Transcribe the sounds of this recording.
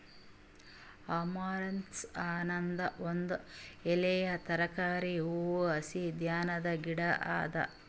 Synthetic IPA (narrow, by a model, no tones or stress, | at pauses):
ɐmaːɾɐnsaːnɐnd̪ɐond̪uelejɐt̪ɐɾɐkaːɾiuuɐsid̪jaːnɐd̪ɐɡiɽɐʔa̰ːd̪ɐ̰